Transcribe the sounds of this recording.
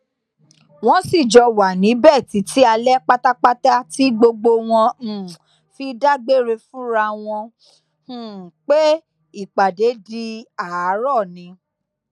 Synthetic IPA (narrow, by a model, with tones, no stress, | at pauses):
w̃ɔ̃˦si˦˨d͡ʒɔ˧wa˨nĩ˨˦bɛ˦˨ti˨˦tʰi˦a˧lɛ˦k͡pa˦ta˦k͡pa˦ta˦ti˦ɡ͡bo˧ɡ͡bo˧w̃ɔ̃˧˨ | fi˧da˦ɡ͡be˦˨ɾe˧fũ˦ɾa˧w̃ɔ̃˧˦˨ | k͡pe˦ | i˦˨k͡pa˨de˨˦di˧a˨˦ɾɔ˦˨nĩ˨˧˦